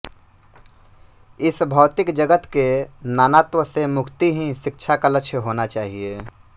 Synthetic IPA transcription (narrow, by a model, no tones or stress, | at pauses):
ɪsbʱɔːt̪ɪkd͡ʒəɡət̪kenaːnaːt̪wəsemʊkʰt̪iɦĩʃɪk̚t͡ʃʰakaləkʃʰjəɦoːnat͡ʃaːɦieː